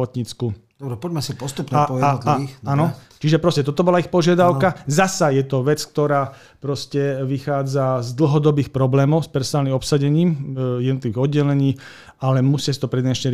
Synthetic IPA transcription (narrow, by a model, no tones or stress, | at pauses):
ɔt̪ɲit͡skud̪ɔbɾɛpɔɟmɛsipɔst̪upnapɔjaɔt̪liixanɔ | t͡ʃiʒɛpɾɔscɛt̪ɔt̪ɔbɔlaixpɔʒɪad̪aʊkazasajɛt̪ɔʋɛt͡skt̪ɔɾaː | pɾɔscɛʋixaːd͡zazd̪l̩ɦɔd̪ɔbiːxpɾɔblɛːmɔʊspɛɾsɔnaːlnimɔpsaɟɛɲiːmjɛd̪nɔt̪liʋiːɣɔd̪ɟɛlɛɲiː | alɛmusɪasi̥t̪ɔpɾɛd̪ɲɛʃɲɛɾ